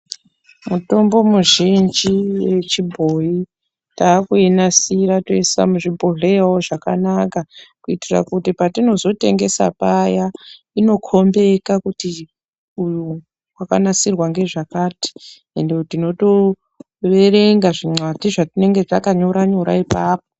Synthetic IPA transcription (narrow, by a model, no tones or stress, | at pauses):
muto̞mbo̞muʒind͡ʒiwe̞t͡ʃibʱo̞i | taːkuenasiɾato̞isa̰muʐibʱoɮeaoʐakanakakuitira̰kutipatino̞zo̞te̞ŋɡe̞sa̰paja | ino̞kʰo̞mbe̞kakuti | uju | waka̰nasirwaŋɡe̞ʐakaːti̥ | endetino̞to̞ | re̞re̞ŋɡaʐiŋ͡ǀwatiʐatine̞ŋɡe̞takaɲo̞ɾaɲo̞ɾa̰ipaːp̚o̥